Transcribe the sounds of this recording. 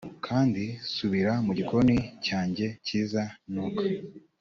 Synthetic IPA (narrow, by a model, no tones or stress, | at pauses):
kʰaːndisuβiɾamuɟiko̞nicaːɲɟe̞ciːzanokḁ